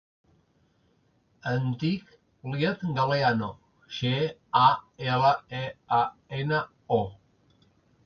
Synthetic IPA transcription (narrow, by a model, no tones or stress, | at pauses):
ənt̪ik | liet̪ɡaleano | ʃeaelaeaena | o